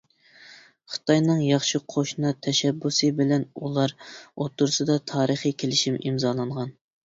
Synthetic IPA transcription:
χə̥t̪ʰɑjnɨŋjɑχʃiqʰoʃnɑt̪ʰɛʃɛbːusɨbɪlɛnulˠɑɾot̪ʰːʊɾsɨd̪ɑt̪ʰɑːɾəχikʲʰelɪʃimimzɑːlˠɑɴʁɑn

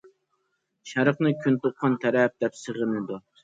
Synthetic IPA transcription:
ʃæɾəqnɨkʲʰynt̪oqʰːɑnt̪ʰɛɾɛp̚d̪̥ɛpsəʁənɨd̪u

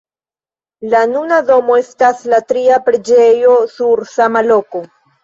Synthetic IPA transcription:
lanunado̞mo̞e̞staslatɾiapɾe̞d͡ʒejo̞suɾsamalo̞ko̞

